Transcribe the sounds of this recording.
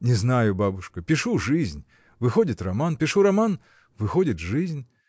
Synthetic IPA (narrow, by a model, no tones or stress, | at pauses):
nʲɛznajʊbabʊʂkɐpʲiʂuʐɨzʲnʲ | vɨxɔdʲit̪ʲramanpʲiʂuɾaman | vɨxɔdʲit̪ʲʐɨzʲnʲ